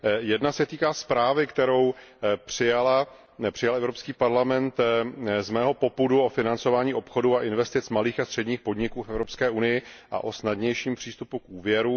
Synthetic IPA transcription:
jɛdnasɛt̪iːkaːspɾaːvɪkt̪ɛɾo̞w | pr̝̥ɪjala | pr̥ɪjalɛvɾo̞pskiːpaɾlamɛnt̪zmɛːɦo̞po̞puduo̞fɪnant͡so̞vaːɲiːʔo̞pxo̞duaʔɪnvɛst̪ɪt͡smaliːxast̪r̝̥ɛdɲiːxpo̞dɲɪkuːfɛvɾo̞pskɛːunɪjɪʔa̰ʔosnadɲɛjʃiːmpr̥iːst̪upukuːvjɛɾu

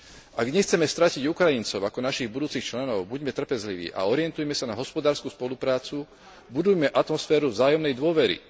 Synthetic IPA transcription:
aɡɲɛxt͡sɛmɛst̪ɾaciɟukɾajint͡sɔʊakɔnaʃiɣbud̪uːt͡sixt͡ʃlɛnɔʊbuɟmɛt̪r̩pɛzliʋḭːʔa̰ɔɾɪɛnt̪ujmɛsanaɦɔspɔd̪aːɾskuspɔlupɾaːt͡su | bud̪ujmɛʔat̪mɔsfɛːɾuvzaːjɔmnɛjd̪ʊɔʋɛɾḭ

